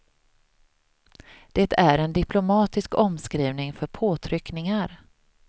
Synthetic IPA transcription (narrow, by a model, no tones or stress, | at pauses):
d̪̥ɛt̪ʰæɾɛnd̪ɪpʰlʊmɑːt̪ɪskɔmskɾiːvnɪŋfœɾpʰoːt̪ʰɾʏknɪŋaɾ